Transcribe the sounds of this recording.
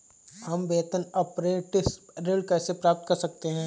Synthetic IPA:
ɦɐmbeːt̪ənɐpɾeːʈɪsɾɪɖkɛːsepɾaːp̚t̪̚kɐɾsɐk̚t̪eɦɛ̃ː

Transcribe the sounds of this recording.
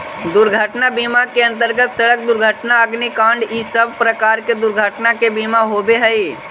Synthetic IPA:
d̪ʊɾɡʱəʈnabiːmakeə̃nt̪̬əɾɡət̪səɽək̚d̪ʊɾɡʱəʈnaəɡnikãːɳɖiːsəb̚ʱpɾəkaːɾked̪ʊɾɡʱəʈnakebiːmaɦobeɦəi

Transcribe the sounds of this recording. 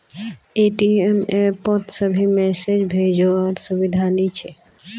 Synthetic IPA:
eʈiemepɔt̪səbʱimɛsed͡ʒbʱed͡ʒoʋaɾsubid̪ʱanit͡ʃʰe

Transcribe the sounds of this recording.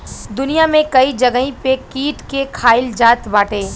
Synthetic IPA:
d̪ʊnijamẽkɐid͡ʒɐɡɦĩpekiːʈkekʰaːɪld͡ʒaːt̪baːʈeː

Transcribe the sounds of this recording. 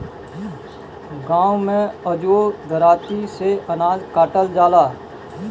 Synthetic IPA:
ɡãːwmẽəd͡ʒod̪əɾaːt̪iseənaːzkaːʈəld͡ʒaːlaː

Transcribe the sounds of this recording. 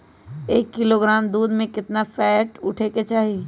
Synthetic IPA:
eːkːɪloɡɾaːmd̪uːd̪mẽkɪt̪nafʰɛːʈʊʈʰeket͡ʃaːɦi

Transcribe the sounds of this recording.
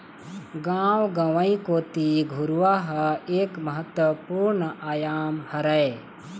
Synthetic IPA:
ɡãːwɡɐʋɐikoːt̪iɡʱuɾuʋaːɦɐeːkmɐɦət̪wɐpuːɾɳəʔaːjaːmhɐɾɐe

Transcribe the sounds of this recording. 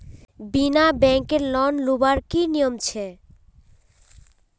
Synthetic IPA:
binabɛŋkeɾlɔnlubaɾkinijomt͡ɕʰe

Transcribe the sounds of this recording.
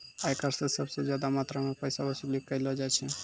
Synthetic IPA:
aekəɾsesəbsed͡ʒjad̪amaːt̪ɾamepəɪsabəsilikːəɪlɔd͡ʒajt͡ʃʰɛ

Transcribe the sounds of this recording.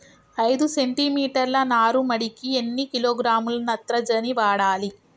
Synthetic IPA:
ɐjd̪use̞ɳʈimiːʈɐɾlɐnaːɾumɐɽikienːikiloːɡɾaːmulɐnɐt̪ɾɐd͡ʒɐniʋaːɽaːli

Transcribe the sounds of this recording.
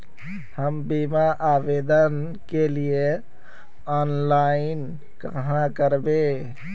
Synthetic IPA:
həmbimaʔabed̪ən | kelie | ɔːnlaɪn | kəɦãkəɾbe

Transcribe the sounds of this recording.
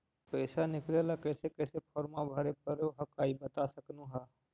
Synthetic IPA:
pəːsanɪklelakəːsekɛːsepʰɔːɾmabʱəɾepəɾoɦəkaːibət̪asəknuɦa

